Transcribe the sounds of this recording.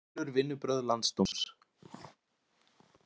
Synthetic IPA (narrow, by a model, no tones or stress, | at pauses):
ʏɾvɪnːʏpɾœðlant̪st̪os